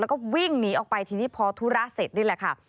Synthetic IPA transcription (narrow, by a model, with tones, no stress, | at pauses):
lɛ˦˥kɔː˥˩wi˥˩ŋniː˦˥ʔɔː˨˩k̚pa˧jt̪ʰiː˧niː˦˥˩pʰɔː˧t̪ʰuː˦˥ɾa˦˥se˨˩t̪̚nuː˥˩˨lɛː˨˩kʰa˥˩